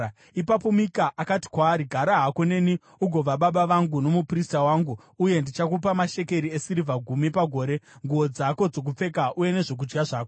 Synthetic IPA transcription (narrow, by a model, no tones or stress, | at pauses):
ipapo̞mikaʔakati̥kwaːɾiɡʱaɾaɦakone̞ːni | uɡʱo̞ʋaɓaɓaʋaŋɡuno̞mupristawaːŋɡuː | je̞ndit͡ʃakupamaʃe̞ke̞ɾiesiɾivʱaɡʱumipaɡʱo̞ːɾe̞ŋɡuo̞d͡zako̞d͡zo̞k̬up͡fe̞kaʔuje̞ne̞ʐok̬ud͡ʒɡaʐaːko